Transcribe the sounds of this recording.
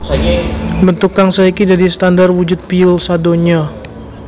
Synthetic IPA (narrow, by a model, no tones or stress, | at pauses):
bənt̪ʊkːaŋsaikid͡ʒadist̪andarwud͡ʒʊt̪̚piʊlsadoɲa